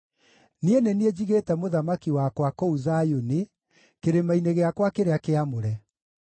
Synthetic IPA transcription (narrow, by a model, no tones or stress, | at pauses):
nienenied͡ʑiɣetɛmoðamakiwakwakouzajone | keɾemaineɣeakwakeɾeakeamoɾɛ